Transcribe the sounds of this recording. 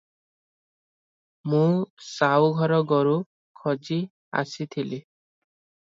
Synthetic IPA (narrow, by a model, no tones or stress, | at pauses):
mũsawɡʱɔɾɔɡɔɾu | kʰɔd͡ʒi | a̰sit̪ʰili